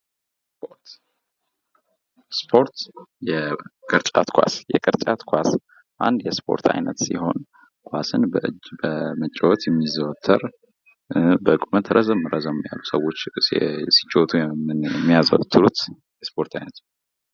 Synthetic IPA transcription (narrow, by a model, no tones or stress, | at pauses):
po | spʰo̞ɾt̪jɛkʼɨɾt͡ʃʼa̰t̪kʰʷa̰sjɛkʼɨɾt͡ʃʼat̪kʰʷas | ʔa̰nd̪jɛspʰo̞̰ɾt̪ʰa̰jnət̪siɦo̞̰n | kʰʷwasɨnbəʔɨbəmət͡ʃʼːɛwɔt̪ʰjɛmːizəwɔt̪ʰːəɾ | bəɨkʼumət̪ʰɾəzəmɨɾʔəzəmja̰lːusəwːo̞t͡ʃːsi̥t͡ʃʼːot̪ʰuɨjɛmːijazəwt̪ʰːɨɾut̪ | jɛspʰo̞ɾt̪ʰajnət̪